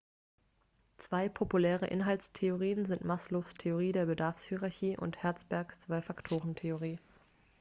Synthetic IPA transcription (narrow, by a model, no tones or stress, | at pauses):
t͡sv̥aɪpʰopulɛːʁ̞əʔɪnɦalstʰeoʁ̞iːənzɪntmaːsloːstʰeoʁ̞iːdeːɐbədaɐfshyʁaɐçiːʔʊ̰nthɛɐt͡sb̥ɛɐkst͡sv̥aɪfaktʰoːʁəntʰeoʁ̞iː